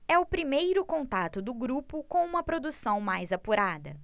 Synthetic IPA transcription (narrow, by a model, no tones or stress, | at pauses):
ɛʊpɾimejɾʊkõnt̪at̪ʊd̪ʊɡɾupʊkõw̃ũmɐpɾod̪usɐ̃w̃majzapuɾad̪ɐ̰